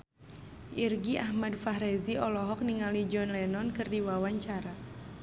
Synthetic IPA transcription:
ʔirɡiʔahmadfaɦɾeziɔlɔɦɔk̚niŋalid͡ʒɔnlɛnɔnkɨrdiwawaɲt͡ʃaɾa

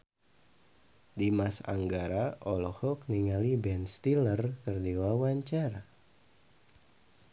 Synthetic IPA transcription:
dimasa̰ŋɡaɾaʔɔlɔhɔk̚niŋalibɛnst̪ilərkərdiwawaɲt͡ʃaɾa

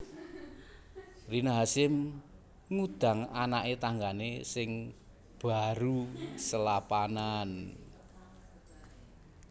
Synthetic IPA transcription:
rinaɦasɪm | ŋud̪̥a̤ŋanaʔet̪aŋɡanesɪŋ | b̥a̤ɾusəlapanan

